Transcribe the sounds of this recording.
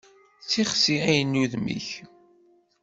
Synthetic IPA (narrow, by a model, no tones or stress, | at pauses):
θt͡sːiχsiæjənːuðmḭç